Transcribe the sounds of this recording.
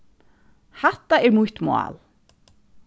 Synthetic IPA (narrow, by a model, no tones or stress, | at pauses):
haht̪ːaɛɾmujht̪moa̰ːl